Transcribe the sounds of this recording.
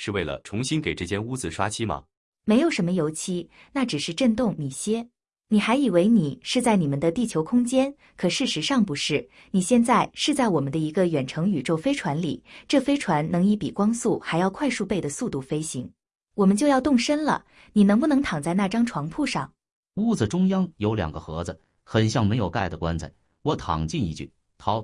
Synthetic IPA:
ʂɻ̩˥˧we˥˩ɪlə̰˨˩ʈ͡ʂʰʊ˧˥ŋɕi˥nke˨˩ɪʈ͡ʂɤ˥˩t͡ɕjɛ˥nu˥d͡zɹ̩˨ʂwa̰˥t͡ɕʰi˥˩mɐ̰˨˩ | me˧˥ɪjo˨˩ʊʂə˧˥mə˧jo˧˥ʊt͡ɕʰi˥ | na˥˩ʈ͡ʂɻ̩˨˩ʂɻ̩˥˧ʈ͡ʂə˥˧nt̪ʊ˥˩ŋni˨˩ɕjɛ˥ | ni˨˩xa˧˥ɪi˨˩we˧˥ɪni˨˩ʂɻ̩˥˧t͡sa˥˩ɪni˨˩mə˦nd̪ə˧t̪i˥˩t͡ɕʰjo˧˥ʊkʰʊ˥ŋt͡ɕjɛ˥n | kʰɤ˨˩ʂɻ̩˥˩ʂɻ̩˧˥ʂɑ˥˩ŋpu˧˥ʂɻ̩˥˩ | ni˨˩ɕjɛ˥˧nt͡sa˥˧ɪʂɻ̩˥˧t͡sa˥˩ɪwɔ˨˩mə˦nd̪ə˧i˧˥ɡə˧ɥɛ˨˩nʈ͡ʂʰɤ˧˥ŋy˨˩ʈ͡ʂo˥˩ʊfe˥ɪʈ͡ʂʰwa˧˥nlḭ˨˩ʈ͡ʂɤ˥˩fe˥ɪʈ͡ʂʰwa˧˥nnɤ˧˥ŋi˧˥pi˨˩kwɑ˥ŋsu˥˩xa˧˥ɪjɑ˥˧ʊkʰwa˥˧ɪʂu˥˧pe˥˩ɪd̪ə˩su˥˧t̪u˥˩fe˥ɪɕi˧˥ŋ | wɔ˨˩mə˦nt͡ɕjo˥˧ʊjɑ˥˧ʊt̪ʊ˥˩ŋʂə˥nlə̰˨ | ni˨˩nɤ˧˥ŋp̬u˥˩nɤ˧˥ŋt̪ʰɑ˨˩ŋt͡sa˥˧ɪna˥˩ʈ͡ʂɑ˥ŋʈ͡ʂʰwɑ˧˥ŋpʰu˥˧ʂɑ̰˥˩ŋ | u˥˩d͡z̩˩ʈ͡ʂʊ˥ŋjɑ˥ŋjo˧˥ʊljɑ̰˨˩ŋɡə̰˧xɤ̰˧˥d͡zɹ̩˧ | xə˨˩nɕjɑ˥˩ŋme˧˥ɪjo˨˩ʊka˥˩ɪd̪ə˩kwa̰˥nt͡sʰa̰˨˩˦ | wɔ˧˥t̪ʰɑ̰˨˩ŋt͡ɕi˥˧nḭ˧˥t͡ɕy̰˥˩ | t̪ʰɑ˧˥ʊ

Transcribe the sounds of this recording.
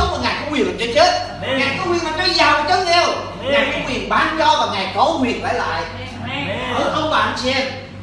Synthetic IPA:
k͡p̚maː˨˩ŋaː˨˩jkɔ̰˧˦ŋ͡mwi˨˩˨t͡ɕɔ˧t͡ɕe˦˥t̚ | ŋaː˨˩jkɔ˨˦hwi˨˩ənlaː˨˩ɔ˨˦zaː˨˩wt͡ɕə˨˦t̚ɛ˧w | ŋaː˨˩jkʊ˧˦ŋ͡mwi˨˩ənɓaː˧nt͡ɕɔ˧vaː˨˩ŋaː˨˩jkɔ˨˦hwi˨˩ənla̰ː˧˩jla̰ː˧˨j | ʔəː˧˩ʔə˧wŋ͡mɓa̰ː˧˨nsɛ˧m

